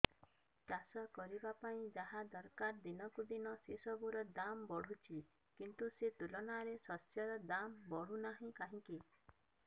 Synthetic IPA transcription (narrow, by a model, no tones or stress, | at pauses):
kasɔkɔɾibapaĩd͡ʒaɦad̪ɔɾkaɾd̪inɔkud̪inɔsesɔbuɾɔd̪ambɔɽ̤ut͡ʃʰi | kint̪uset̪ulɔnaɾesɔsjɔɾɔd̪ambɔɽ̤unaɦĩkaɦĩki